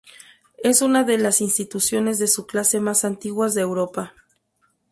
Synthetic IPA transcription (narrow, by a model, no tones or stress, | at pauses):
e̞sunaðe̞lasinst̪it̪usjo̞ne̞zðe̞suklase̞masant̪iɣwazðeːwɾo̞pa